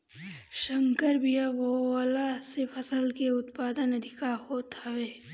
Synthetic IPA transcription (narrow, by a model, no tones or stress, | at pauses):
ʃəŋkəɾbijaʋowaːlasepʰɐsəlkeʊt̪paːd̪ənɐd̪ʱɪkahot̪aʋeː